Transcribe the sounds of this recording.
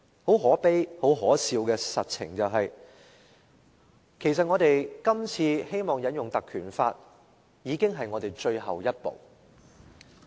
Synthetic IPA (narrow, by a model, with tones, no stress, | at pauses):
ho˨˥wɦɔː˨˥pe˥jho˨˥wɦɔː˨˥siː˧wkɛː˧sɐ˨t̚t͡sʰɪ̰˨˩ŋt͡sɐ˨wɦɐ˨j | kʰe˨˩js̬ɐ˨t̚ŋɔː˨˧t̪e˨jkɐ˥mt͡sʰiː˧he˥jmɔː˨˩ŋjɐ˨˥njʊ˨ŋt̪ɐ˨kʰyː˨˩nfaː˧t̚ | jiː˨˧kɪ˥ŋɦɐ˨jŋɔː˨˧t̪e˨˩jt͡ʃɵ˧ɥɦɐ̰˨wjɐ˥t̚po̰˨˩w